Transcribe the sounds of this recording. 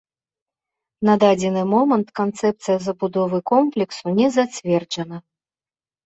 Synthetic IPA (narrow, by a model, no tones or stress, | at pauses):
nɐd̪ad͡zʲɛnɨmɔmɐnt̪kant̪sɛp̚t̪sɨjɐzɐbud̪ɔvɨkɔmplʲɛksunʲɛzat͡sʲvʲɛrd͡ʐɐnɐ